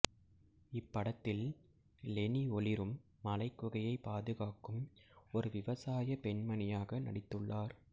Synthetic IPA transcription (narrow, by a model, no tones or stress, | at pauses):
ɪpːɐɽɐt̪ːɪl | lɛniɔlɪɾɯmː | ɐlɐɪkːʊɣɐjɐɪpːaːðɯɣaːkɯmɔɾɯʋɪʋɐsaːjɐpɛɳmɐnɪjaːɣɐnɐ̰ɽɪt̪ːɯɭːaːɾ